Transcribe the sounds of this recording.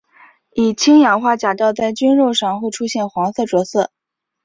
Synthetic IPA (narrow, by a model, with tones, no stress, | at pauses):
i˨˩t͡ɕʰi˥ŋjɑ˨˩ŋxwa˥˩t͡ɕja˨˩t̪ɑ˥˧ʊt͡sa˥˩ɪt͡ɕy˥nɻo˥˧ʊʂɑ˥˧ŋxwe˥˧ɪʈ͡ʂʰu˥ɕjɛ˥˩nxwɑ˧˥ŋsɤ˥˩ʈ͡ʂwɔ˧˥sɤ˥˩